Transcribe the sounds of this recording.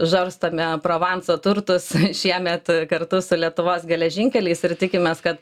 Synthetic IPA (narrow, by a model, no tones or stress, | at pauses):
ʒɐɾst̪ɐmʲɛpɾoːʋɑnsoːt̪ʊɾt̪ʊsʃʲiɛmʲɛt̪kɐɾt̪ʊsʊlʲiɛt̪ʊʋoːsɡʲɛlʲɛʒʲɪŋʲkʲɛlʲɛɪsɪɾt̪ʲɪkʲɪmʲeːskɐt̪